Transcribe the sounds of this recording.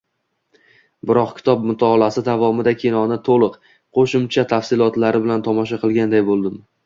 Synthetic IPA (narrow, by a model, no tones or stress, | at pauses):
bɪɾɒqkʲʰɪ̥t̪ʰɒp̚mʊt̪ʰɒlˠasɪd̪avɒmɪd̪akʲʰenɒnɪt̪ʰolˠɨq | qʰoʃɪmt͡ʃʰat̪ʰafsɪlˠɒt̪laɾɪbɪlant̪ʰɒmɒʃ̬aqʰɨlˠɡʲand̪ajbolˠd̪ɪm